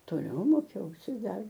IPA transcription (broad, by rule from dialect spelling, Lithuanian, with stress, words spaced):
toːˈlʲɛʊ ˈmoːkʲɛʊsʲɪ ˈdɐr